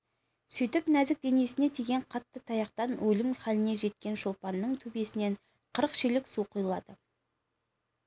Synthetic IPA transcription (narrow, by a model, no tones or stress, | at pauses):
sɵjt̪ɪpnæzɪk̚d̪e̞nie̞sɪne̞t̪ʰe̞ɡʲe̞ɴqʰɑt̪ːət̪ʰɑjɑqt̪ɑnwʔɵlɪmχælɪne̞ʒe̞t̪̚kʲe̞nʃo̞lˠpɑnːəɴt̪ʰɵbe̞sɪne̞ɴ | qʰəɾəqʃelɪksuqʰʊjəlˠɑd̪̥ə